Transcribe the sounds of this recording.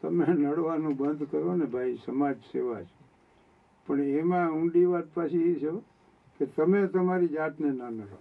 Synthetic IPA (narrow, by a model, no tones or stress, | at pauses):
t̪əmenəɽʋanũbənd̪ʱkəɾonebʱaisəmad͡ʒseʋa̰t͡ʃʰe̥ | pəɳemãũɳɖiʋat̪̚pat͡ʃʰiet͡ʃʰe | ket̪əmet̪əmaɾid͡ʒat̪nenanəɽo̰